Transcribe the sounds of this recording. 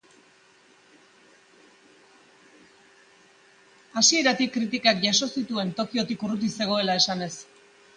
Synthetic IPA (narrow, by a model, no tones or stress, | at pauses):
asie̞ɾat̪ikːɾit̪ikakʝaso̞sit̪ue̞nt̪o̞kio̞t̪ikurut̪̬ise̞ɣ̞o̞e̞lae̞sane̞s